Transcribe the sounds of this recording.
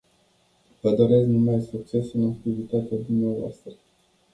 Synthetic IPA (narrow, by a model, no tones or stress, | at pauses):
vəd̪o̞ɾe̞sknumajsuk̚t͡ʃe̞sɨnak̚t̪ivit̪at̪ead̪umneavoa̰st̪ɾə